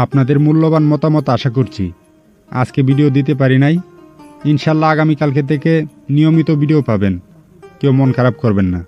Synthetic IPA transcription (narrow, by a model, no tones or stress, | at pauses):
apnad̪eɾmulːobanmɔt̪amɔt̪oaʃakoɾt͡ɕʰḭ | a̰d͡ʑkebiɖiod̪it̪̬epaɾinaj | inʃalːaaɡamikalk̬ed̪ekʰenijomit̪obiɖiopaben | kewmonkʰaɾab̚koɾbenːa